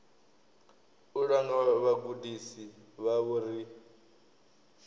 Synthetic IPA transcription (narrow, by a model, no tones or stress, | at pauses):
uɺaŋɡaβaɡudisiβaβuɾi